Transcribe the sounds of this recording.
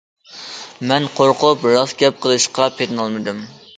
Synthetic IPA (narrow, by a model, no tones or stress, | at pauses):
mɛnqʰoɾqʊpɾɑzɡʲɛp̚qʰəlˠɨʃqɑpʰet̪nɑlˠmɨd̪ɨm